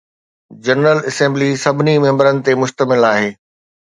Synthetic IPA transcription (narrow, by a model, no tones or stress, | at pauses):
d͡ʑɐnɾəlɐsẽːmblisɐbʱɪnimẽɦmbəɾənɪ̆t̪emʊʃt̪əmɪlaːɦeː